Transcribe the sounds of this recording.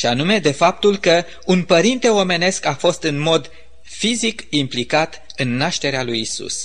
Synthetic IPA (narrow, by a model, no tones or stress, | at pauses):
ʃianume̞d̪e̞fap̚t̪ulkə | unpəɾint̪e̞o̞me̞ne̞skafo̞st̪ɨnmo̞d̪ | fizikimplikat̪ | ɨnːaʃt̪e̞ɾealujisṵs